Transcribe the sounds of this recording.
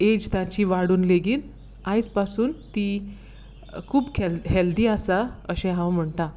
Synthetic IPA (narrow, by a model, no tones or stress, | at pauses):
ed͡ʑt̪ãt͡ɕiːʋaɽuːnleɡiːn | ãjt͡spasuːnt̪i | kʰuːbkʰelɦeld̪iːasaəɕẽɦãwm̤əɳt̪a